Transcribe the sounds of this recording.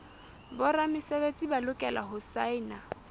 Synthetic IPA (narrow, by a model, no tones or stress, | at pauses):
bʊramɪsebet͡sʼibalʊkʼɛla̰ɦʊsaɪna